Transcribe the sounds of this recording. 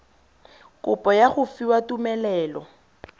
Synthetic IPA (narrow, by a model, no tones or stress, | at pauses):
kʼʊpʼɔjaχʊfiwatumɛlɛːlɔ